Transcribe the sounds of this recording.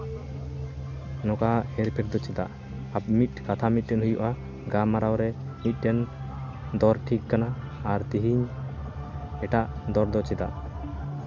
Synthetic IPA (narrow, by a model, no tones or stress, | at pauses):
nɔkahɛɾpʰɛɾd̪ɔt͡ʃɛd̪aʔ | ap̚mit̪̚kat̪ʰamit̪̚ˀɖɛnɦujuʔa | ɡamaɾawɾɛmit̪̚ˀɖɛn | d̪ɔɾʈʰikːanaːɾt̪iɦiɲ | ɛʈaʔd̪ɔɾd̪ɔt͡ʃɛd̪aʔ